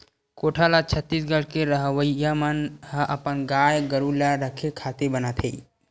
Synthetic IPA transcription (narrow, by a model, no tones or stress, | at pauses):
koʈʰalat͡ʃʰət̪ːisɡəɽ̤keɾəɦʋəjamənɦəʔəpənɡajɡəɾulaɾəkʰekʰat̪ebənat̪ʰei